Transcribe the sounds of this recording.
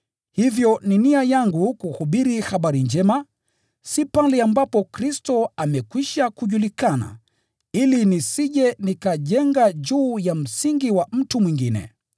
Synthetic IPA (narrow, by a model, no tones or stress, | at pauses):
hivjɔniniajaŋɡukuhuɓiɾihaɓaɾind͡ʒɛma | sipalɛambapɔkɾistɔamɛkwiʃakuʄulikana̰ | ilinisiʄɛnikaʄɛŋɡaʄuːjam̩siŋɡiwam̩tumwiŋɡinɛ̰